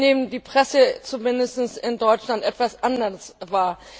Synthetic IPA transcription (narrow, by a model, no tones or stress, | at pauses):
eːbn̩diːpʁ̥ɛsət͡sumɪndəstn̩sɪndɔʏt͡ʃlantʔɛtv̥asʔandɐsvaːɐ